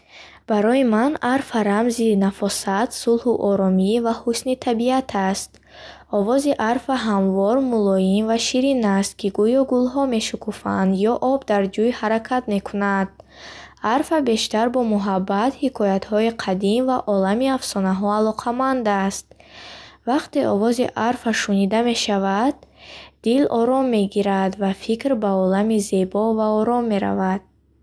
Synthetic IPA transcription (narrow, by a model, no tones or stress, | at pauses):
b̥aɾɔjimanaɾfaɾamzinafɔsat̪sulhuʔɔɾɔmivahusnit̪ʰabiat̪ʰast̪ | ɔvɔziʔaɾfaɦamvɔɾmulɔinvaʃiɾinast̪̚kʰiɡujɔɡulɦɔme̞ʃukʰufa̰nd̪jɔʔɔbd̪aɾd͡ʒujhaɾakʰat̪me̞kʰunad̪̥̚ | aɾfabe̞ʃt̪aɾbɔmuɦabːat̪hikʰɔjat̪hɔiqʰad̪imvaʔɔlamiafsɔnaɦɔalɔqʰamand̪ast̪̚ | vaqt̪e̞ɔvɔziʔaɾfaʃunid̪ame̞ʃavad̪̥̚ːilɔ̰ɾɔmːe̞ɡiɾad̪vafikɾbaɔlamize̞bɔvaɔɾɔmːe̞ɾa̰vad̪̥̚